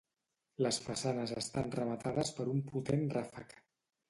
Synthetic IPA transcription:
ləsfəsanəzəst̪anrəmət̪aðəspəɾumput̪enrafək

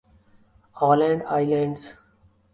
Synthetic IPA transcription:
ɔːlɛ̃ɳɖaɪlãɳɖs

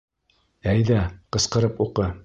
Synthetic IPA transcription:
æjðæqɤ̆sqɤ̆ɾɤpuqɤ

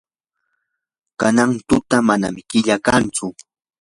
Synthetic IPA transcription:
kanaŋt̪ʊt̪amana̰mɪkɪʎakant͡sʊ

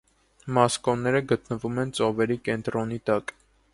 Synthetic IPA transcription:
mɑskɔnːɛɾəɡət̪nəvumɛnt͡sɔvɛɾikɛnt̪ɾɔnit̪ɑk

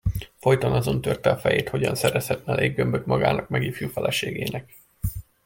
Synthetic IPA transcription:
fo̞jt̪ɒnɒzo̞nt̪ørt̪ɛɒfɛjeːt̪ho̞ɟɒnsɛɾɛshɛt̪mɛleːɡːø̞mbøt̪mɒɡaːnɒkmɛɡifjuːfɛlʔɛʃeːɡeːnɛk̚

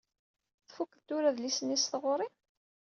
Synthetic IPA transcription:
θfukðt̪ːʊɾæðlisənːisθʁoɾˤi

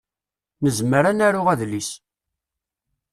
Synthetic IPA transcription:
nəzməɾænæɾʊʁæðlis

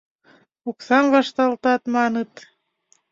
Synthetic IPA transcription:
uksɑnβɑʃt̪ɑlt̪ɑt̪mɑnɤ̆t̪

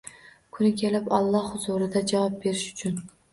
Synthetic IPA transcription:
kʰʊnɪkʲʰe̞lɪpɒlˠːɒhhʊzuɾɪd̪ad͡ʒavɒp̚be̞ɾɪʃʊ̥t͡ʃʰʊn

